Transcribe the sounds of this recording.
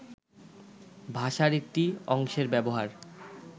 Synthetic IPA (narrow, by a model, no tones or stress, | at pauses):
bʱaʃaɾek̚ʈiɔŋʃeɾbɛboɦaɾ